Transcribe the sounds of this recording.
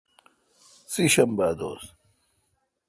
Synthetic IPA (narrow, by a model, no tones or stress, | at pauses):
t͡siɕɐmbaːd̪o̰ːs